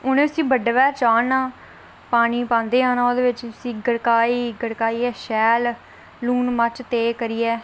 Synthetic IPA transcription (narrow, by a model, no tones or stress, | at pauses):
ʊnẽəsĩːbəɖʋɛːt͡ʃaːnãː | paːñiːpãːnd̪eːãːnãːoːd̪eːʋɪt͡ʃsĩːɡəɽkaːiːɡəɽkaːiːɛːʃɛːlː | uːnmat͡ʃt̪eːkəɾiːɛː